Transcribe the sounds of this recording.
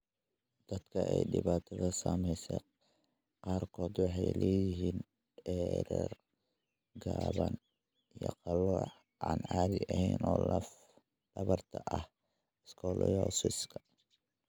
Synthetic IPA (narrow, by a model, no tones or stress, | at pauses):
d̪̥ɐd̪kʰɐʔɛjɖɪβaːt̪ʰɐðɐsaːmɛjsɛ | qɑːrkʰɔːd̪wɑħɑjlɛːjɪɦiːn | ɛɾɛr | ɡaːβɐn | ijɔ̰qɑlɔːħ | ʔaːnaːd̪ɪʔɐhɛjnɔːlɐf | ɖɐβɐrt̪ʰɐʔɐh | ɪskʰɔːlʔɔjɔsiskʰɐ